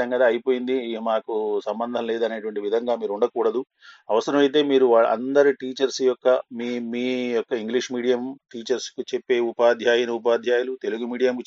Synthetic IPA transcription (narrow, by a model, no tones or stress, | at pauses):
ɐŋɡɐd̪aːɐjipo̞ːjind̪iɐmaːkusɐmbɐnd̪ʱɐnle̞ːd̪ɐne̞ːʈuʋɐɳʈiʋid̪ʱɐŋɡaːmiːɾuɳɖɐkuːɽɐd̪u | ɐʋɐsɐɾɐmɐjt̪̬e̞ːmiːɾuʋaːɭ̰ɐ̰nd̪ɐɾiʈiːt͡ʃɐɾsjɔkːɐmimiːjɔkːɐiŋɡliʂmiːɽijɐmʈiːt͡ʃɐɾskut͡ʃepːe̞ːupaːd̪ʱjaːjɐnɐupaːd̪ʱjaːjɐlut̪e̞luɡumiːɽijɐmk